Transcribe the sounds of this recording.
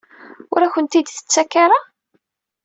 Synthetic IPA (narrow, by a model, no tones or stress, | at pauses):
ʊɾæçʷənt̪id̪θə̥t͡sːækːaɾa